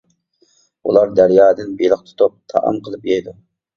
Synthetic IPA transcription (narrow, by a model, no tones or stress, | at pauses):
ulˠɑɾd̪æɾjɑːd̪ɪnbelˠəqt̪ʰu̥t̪up̚t̪ʰɑ̰ʔɑ̰mqʰəlˠɨpjɛjd̪u